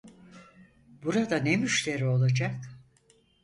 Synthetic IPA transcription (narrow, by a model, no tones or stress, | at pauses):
buɾad̪anemyʃlʲe̞ɾio̞lˠad͡ʒak